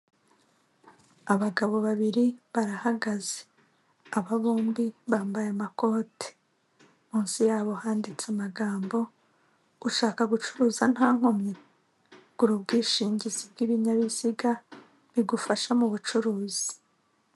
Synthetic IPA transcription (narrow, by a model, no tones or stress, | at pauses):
aβaɡaβo̞βaβiɾiβaɾahaɡaze̥ | aβaβuːmbiβaːmbajamako̞ːte̥ | muːnsijaːβo̞haːndit͡samaɡaːmbo̞ | uʃaːkaɡut͡ʃuɾuːzan̥haːŋ̥ho̞mɲe | ɡ̥uɾubɡiːʃiːɲɟizib̚ɡiβiɲaβiziɡa | βiɡufaʃamuβut͡ʃuɾuːz̥i̥